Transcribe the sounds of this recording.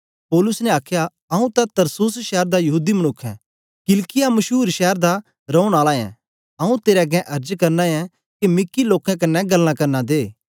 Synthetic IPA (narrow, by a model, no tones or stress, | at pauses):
poːlʊsnɛaːkʰja | ɐũt̪at̪ɐɾsusʃɛːɾd̪ajɐɦuːd̪imɐñʊkʰːɛ̰̃ | kɪlkɪjamɐʃuːɾʃɛːɾd̪a | ɾɐũɽ̃aːlaɛ̰̃ | ɐːũt̪eːɾɛɡɛ̃ʔɐɾd͡ʒkɐɾnãɛ̃ | kemɪkːiloːkɛ̃k̬ɐnːɛɡɐlːãkɐɾnad̪eː